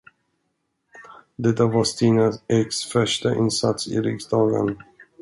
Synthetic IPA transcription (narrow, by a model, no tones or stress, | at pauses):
d̪ɛt̪ːavast̪ʰiːnaɛksfœʂʈaʔɪnsat̪sɪ̰ɾɪksd̪ɑːɡə̰n